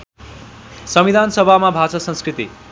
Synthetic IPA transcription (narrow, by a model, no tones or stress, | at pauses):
sʌmid̪ʱansʌbʱamabʱat͡sʌsʌ̃nskrit̪i